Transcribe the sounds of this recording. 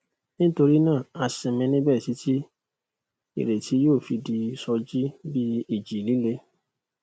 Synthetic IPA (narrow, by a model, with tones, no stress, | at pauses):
nĩ˦to˧ɾi˦nãː˦˨a˧sɛ̃˧mĩ˧nĩ˦bɛ˦˨si˨˦tʰi˦ | ḭ˨ɾe˨tʰi˨˦joː˦˨fi˧di˧sɔ˧d͡ʒi˦bi˦i˦˨d͡ʒi˨li˨˦le˦